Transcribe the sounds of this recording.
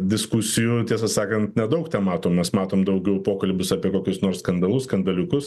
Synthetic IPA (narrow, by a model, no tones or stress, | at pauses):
d̪ʲɪskusʲɪjʊt̪ʲiɛs̬ɐsɑːkɐnt̪nʲɛd̪ɐʊkt̪ʲɛmɑːt̪oːmʲɛsmɑːt̪oːmd̪ɐʊɡʲɛʊpoːkɐlʲbʲʊsɑpʲiɛkoːkʲʊsnoːrskɐnd̪ɐlˠʊsskɐnd̪ɐlʲʊkʊs